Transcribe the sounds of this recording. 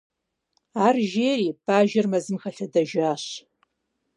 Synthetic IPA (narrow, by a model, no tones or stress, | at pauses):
aːrʒeːriːbaːʒɐrmɐzɨmxɐɬɐdɐʒaːɕ